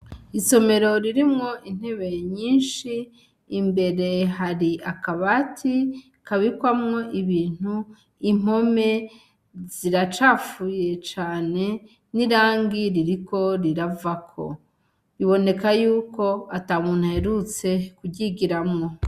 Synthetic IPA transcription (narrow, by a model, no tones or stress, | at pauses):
iso̞me̞ɾo̞ɾiɾimŋo̞ʔin̥heβeɲiːnʃiː | mbe̞ɾe̞ɦaɾiʔakaβatʰi | kaβikwamŋo̞ʔiβiːn̥u | im̥o̞me̞ | z̥iɾat͡ʃaːfuje̞t͡ʃaːne̞ | niɾaːŋɡiɾiɾiko̞ɾiɾavakʰo̞̰ | ɾiβo̞ne̞kajuːko̞atamuːn̥uhe̞ɾut͡se̞kuɟiɡiɾamŋo̞